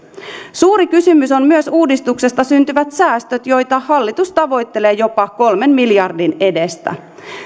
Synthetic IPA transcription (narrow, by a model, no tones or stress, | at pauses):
suːɾikysymyso̞nmyøsuːdist̪ukse̞st̪ɑsynt̪yʋæt̪sæːst̪øt̪jo̞jt̪ɑhɑlːit̪ust̪ɑʋo̞jt̪ːe̞le̞ːjo̞pɑko̞lme̞nmiljɑrdine̞de̞st̪æ̰